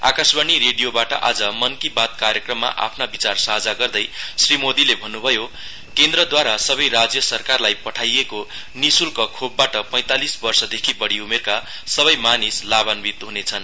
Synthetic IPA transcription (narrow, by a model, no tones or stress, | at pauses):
a̰kasbanireɖijobaʈʌ̰ʔad͡zʌmʌnkibat̪̚kaɾjʌkrʌmːa̰ʔa̰pʰnabit͡sarsʌɦd͡zaɡʌrd̪ʌjsrimod̪ilebʱʌnːubʱʌjo | kend̪rʌd̪waɾasʌbʌjrad͡zjʌsʌrkarlajpʌʈʰajeko | nisulkokʰobːaʈʌpʌj̃t̪alisbʌrsʌd̪ekʰibʌɽiumerka | sʌβʌjmanislabanbit̪ɦunet͡sʰʌn